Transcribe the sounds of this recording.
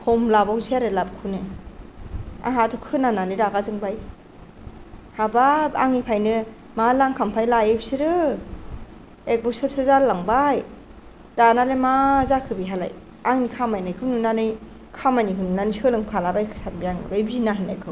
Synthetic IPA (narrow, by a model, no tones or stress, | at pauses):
hʰɔmlabawziaɾɯlabkʰɯnɯ | a̰ɦatʰɯkʰɯnananɯjɾaɡazɯŋbaj | hababaŋipʰajnɯ | malaŋkʰampʰajlajebsiɾɯ | ek̚bɔsɯɾsʰɯzalaŋbaj | danalemazakʰɯbiɦala̰j | aŋnikʰamajnajkʰɯnunanɯj | kʰamajnikʰɯnunaniskʰɯlɯŋpʰalabajkʰɯ̥sanbijaŋɯ̰bajbinaɦɯna̰jkʰɯ